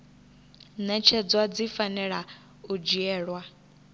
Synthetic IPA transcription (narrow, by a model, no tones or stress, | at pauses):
nɛt͡ʃʰɛd͡zwad͡zifanɛɺa | ud͡ʒiɛːɺwa